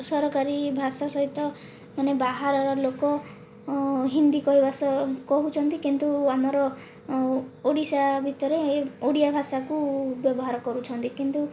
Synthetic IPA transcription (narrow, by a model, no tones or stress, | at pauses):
sɔɾɔkaɾibʱasasɔɦit̪ɔ | manebaɦaɾɔɾɔlokɔ | ɦind̪ikɔɦibʱasɔkɔɦut͡ʃʰɔnt̪ikint̪uamɔɾɔ | oɽisabʱit̪ɔɾeoɽijabʱasakubjɔbɔɦaɾɔkɔɾut͡ʃʰɔnt̪ikint̪u